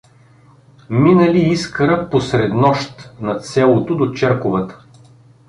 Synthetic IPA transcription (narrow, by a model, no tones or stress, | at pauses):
minəliiskəɾəposɾɛd̪nɔʃt̪nɐt̪sɛlˠot̪od̪ot͡ʃɛɾkovət̪ə̥